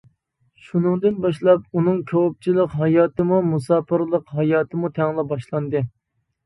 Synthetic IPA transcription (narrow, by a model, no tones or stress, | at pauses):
ʃunɨŋd̪ɨnbɑʃlˠɑpunɨŋkʲʰowp̚t͡ʃʰilˠəqɦɑjɑːt̪ɨmumusɑːpʰɨɾlˠəqɦɑjɑːt̪ʰɨmut̪ʰɛŋlˠɛbɑʃlˠɑnd̪ɨ